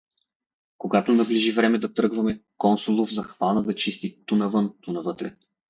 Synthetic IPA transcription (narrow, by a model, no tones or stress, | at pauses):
koɡat̪onɐbliʒivɾɛmɛd̪ɐt̪ɾɤɡvɐmɛkɔnsolˠʊvzɐxvanəd̪ɐt͡ʃist̪it̪unɐvɤnt̪unɐvɤt̪ɾɛ